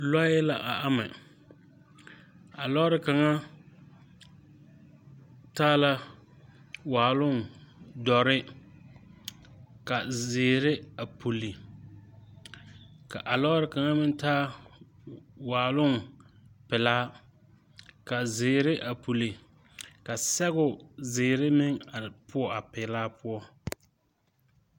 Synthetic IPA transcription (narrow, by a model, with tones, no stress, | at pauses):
la˦jɛ˦la˨ʔa˨ʔa˦mɪ̰˨ | a˨lɔ˦ɾɪ˨ka˨ŋa˦ | taː˦la˦ | waː˨lʊ˦ŋ˨dɔ˨ɾɪ˦ | ka˨zɪː˨ɾɪ˦a˨pu˨li˨ | ka˨ʔa˨lɔ˦ɾɪ˨ka˨ŋa˦mɪ˦n˦taː˦ | waː˨lʊ˦ŋpɪ˨laː˦ | ka˨zɪː˨ɾɪ˦ʔa˨pu˨li˨ | ka˨sɛ˦ɣʊ˨zɪː˨ɾɪ˦mɪ˦ŋa˨pʊ˦ɔ˨a˨pɪ˨laː˦pʊ˦ɔ˦